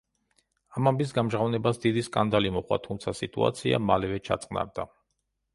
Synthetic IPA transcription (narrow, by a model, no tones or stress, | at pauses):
amambis̬ɡamʒʁavnɛbasd̪id̪iskʼand̪alimɔχwa̰t̪ʰumt̪sʰasit̪ʼṵa̰t̪sʰia̰malɛvɛt͡ʃʰat̪sʼqʼna̰ɾd̪a